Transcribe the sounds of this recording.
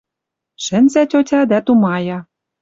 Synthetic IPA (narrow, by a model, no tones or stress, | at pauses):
ʃɘ̆nʲzætʲotʲɑd̪æt̪umɑjɑ